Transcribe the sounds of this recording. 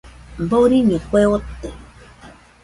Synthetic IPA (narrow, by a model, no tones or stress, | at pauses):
m̩boɾiɲekʷewɔtːe